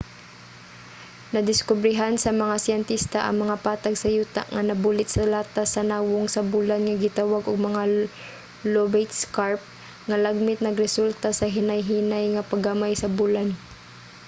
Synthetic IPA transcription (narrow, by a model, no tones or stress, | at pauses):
nɐd̪ɪskʊbɾɪɦansɐmɐŋasɪɛnt̪ist̪aʔɐ̰ŋmɐŋapaːt̪aɡsɐjuːt̪a̰ʔŋɐnɐbuːlɪt̪sɐlaːt̪asɐnaːwʊŋsɐbulanŋɐɡɪt̪awaɡʔʊɡ̚mɐŋa | lobejt̪skaɹp̚ | ŋɐlaɡ̚mɪt̪̚nɐɡɾɛsult̪asɐɦɪnajɦiːnajŋɐpaɡamajsɐbulan